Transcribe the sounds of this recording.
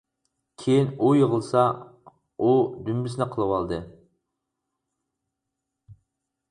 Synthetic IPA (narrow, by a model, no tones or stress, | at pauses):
kʲʰejinujəʁəlˠsɑ | ud̪ymbɪsnɪqʰəlˠɨwɑlˠd̪ɨ